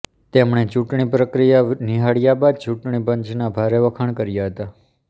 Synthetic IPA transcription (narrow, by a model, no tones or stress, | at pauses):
t̪emɳ̃et͡ʃũʈɳipɾəkɾijaniɦaɽjabad̪̚t͡ʃuʈɳ̃ipəɲt͡ʃnabʱaɾeʋəkʰəɳkəɾjaɦət̪a